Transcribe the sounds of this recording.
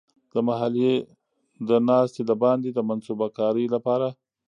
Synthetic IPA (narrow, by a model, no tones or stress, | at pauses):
d̪̥əmaɦalije | d̪ənɑst̪elabɑnd̪ed̪əmansubakɑɾəjlapɑɾa